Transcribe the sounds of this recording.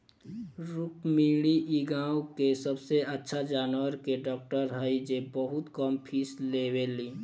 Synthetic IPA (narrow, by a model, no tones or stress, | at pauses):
ɾʊkmĩːɽiʔiɡãːwkesəbseətːʃʰad͡ʒaːnwəɾkeɖɔːk̚ʈəɾɦəid͡ʒebəɦʊt̪kəmpʰiːsleːweliː